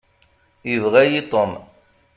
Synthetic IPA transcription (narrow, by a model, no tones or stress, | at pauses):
jəvʁæjit̪ˤən